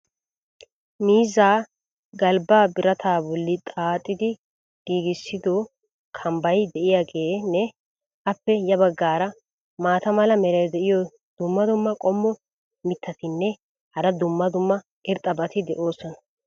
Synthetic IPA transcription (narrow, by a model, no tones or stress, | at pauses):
miːzaː | ɡɐlbaːbɪɾɐt̪ʰaːbɔlːɪt̪ʼaːt̪ʼːɪd̪ɪ | ɡ̥iːɡɪsːɪd̪o | kʰɐmbɐjd̪ɛʔɪjaːɡeːnɛ | ʔɐpːɛjɐbɐɡːaːɾɐ | maːt̪ɐmɐlɐmɛɾɐjd̪ɛʔɪjɔ | d̪̥ʊmːɐd̪ʊmːɐkʼɔmːɔ | mɪt̪ːɐt̪ɪnːɛ | hɐɾɐd̪ʊmːɐd̪ʊmːɐ | ʔɪɾt̪ʼːɐbɐt̪ɪd̪ɛʔo̞ːsɔnɐ̥